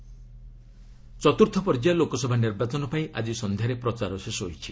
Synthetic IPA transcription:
t͡ʃɔt̪uɾt̪ʰɔpɔɾd͡ʒalokɔsɔbʱaniɾbat͡ʃɔnɔpaĩʔa̰d͡ʒisɔnd̪ʱjaɾepɾɔt͡ʃaɾɔsesɔɦojt͡ʃʰi

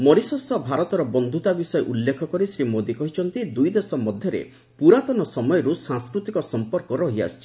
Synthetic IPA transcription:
mɔɾisɔsɔbʱaɾɔt̪ɔɾɔbɔnd̪ʱut̪abisɔeʔulːekʰɔkɔɾisɾimod̪ikɔɦit͡ʃʰɔnt̪id̪ujd̪esɔmɔd̪ʱjɔɾḛ | puɾat̪ɔnɔsɔmɔjɔɾusãŋskɾut̪ikɔsɔmpɔɾkɔɾɔɦia̰st͡ʃʰi̥

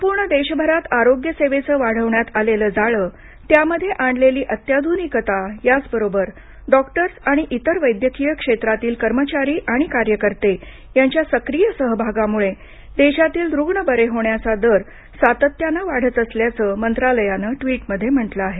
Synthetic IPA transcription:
əmpuːɾɳəd̪eɕbʱəɾat̪aɾoɡjəseʋet͡səːʋaɽ̤əʋɳjat̪aleləːd͡zaɭəː | t̪jaməd̪ʱːjeʔaɳɖleliːʔət̪jad̪ʱunikət̪ajat͡sbəɾobəɾ | ɖɔkʈəɾsaɽ̃iʔit̪əɾʋəjd̪jəkijəkʂet̪ɾat̪iːlkəɾmət͡ɕaɾiːʔaɽ̃ikaɾjəkəɾt̪e | jaɲt͡ɕjasəkɾijəsəɦbʱaɡamuɭe | d̪eɕat̪iːld̪ɾuɡɳəbəɾeɦoɳjat͡sad̪əɾ | sat̪ət̪janəʋaɽ̤ət̪əsljat͡səːmənt̪ɾaləjanəːʈʋiːʈməd̪ʱːjem̤əʈləaɦe

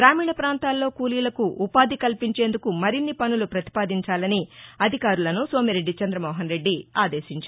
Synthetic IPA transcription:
ɡɾaːmiːɳɐpɾaːnt̪aːlːo̞ːkuːliːlɐkuʔupaːd̪ikɐlpiɲt͡ʃe̞ːnd̪ukumɐɾinːipɐnulupɾɐt̪i̥paːd̪iɲt͡ʃaːlɐniɐd̪ʱikaːɾulɐnuso̞ːmiɾe̞ɖːit͡ʃɐnd̪ɾɐmɔːɦɐnɾe̞ɖːiaːd̪e̞ːʃiɲt͡ʃa

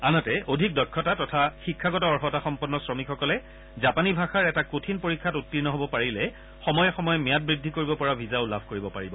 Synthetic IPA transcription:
anɔtɛʔodʱik̚dɔkʰːɔtatɔtʰaxikʰːaɡɔtɔɔɹxɔtaxɔmpɔnːɔsɹɔmikxɔkɔlɛ | zapanibʱaxaɹɛtakotʰinpoɹikʰːatutːiɹnɔɦobɔpaɹilɛ | xɔmɔjɔxɔmɔjɔmijat̚bɹidʱːikoɹibɔpɔɹabʱizaʊlabʱkoɹibɔpaɹibɔ

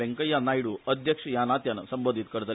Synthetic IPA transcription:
eŋkəjːanajɽuːʔəd̪ʱjəkʂəjanat̪jansəmbod̪ʱit̪kəɽt̪əl

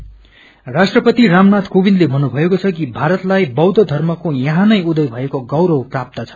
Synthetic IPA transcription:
rasʈrʌpʌt̪iramnat̪kobind̪lebʱʌnːubʱʌekot͡sʰʌkibʱaɾʌt̪lajbʌwd̪ʌd̪ʱʌrmʌkojʌɦãnʌjud̪ʌjbʱʌekoɡʌwɾʌwprap̚t̪ʌt͡sʰʌ̥

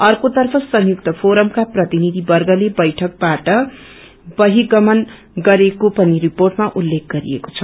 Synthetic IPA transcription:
ʌrkot̪ʌrpʰʌsʌŋjuk̚t̪ʌpʰoɾʌmkaprʌt̪inid̪ʱibʌrɡʌlebʌjʈʰʌk̚baʈʌ | bʌɦiɡʌmʌn | ɡʌɾekopʌniriporʈmaʔulːek̚ɡʌɾḭḛko̥t͡sʰʌ

